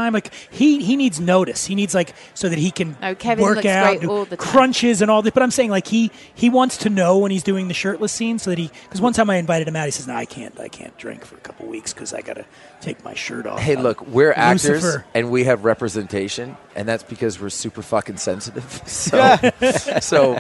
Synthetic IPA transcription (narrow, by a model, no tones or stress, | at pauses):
ãɪ̃mlaɪkhiinidznoʊɾɨshinidzlaɪk | soʊðɨt̚hikʰɨ̃nkʰɛvwɜ˞kaʊtnkʰɹ̥ʌ̃nt͡ʃɪzɨ̃nɔlˠðɪsbʌɾãɪ̃mseɪɪ̃ŋlaɪkhi | iwɑ̃ntstʰɨnoʊwə̃nizdʉɪ̃ŋðɨʃɜ˞tˡləsĩnsoʊðɨt̚hikʰʌzwʌ̃ntʰãɪ̃maɪɨ̃ɱvaɪɾɨɾ̚ɨ̃mæʊhisɛznoʊaɪkʰæ̰̃nta̰ɪkʰæ̰̃nd̥ɹɪ̰̃ŋkfə˞ɨkʰʌ̥pl̩ˠwikskʰʌza̰ɪɡɑ̰ɾɨ̰ | tʰeɪk̚ma̰ɪʃɜ̰˞ɾɔ̰heɪlʊkwɪɹækʉstə˞zfə˞ɨ̃nwiɨvɹɛpɹɨzɛ̃ntʰeɪʃɨ̃nʔɨ̰̃nðætsb̥ɨkʰʌzwɪɹsʉpə˞fʌkɨ̃nsɛ̰̃nsɨɾɪv̥soæ | soʊ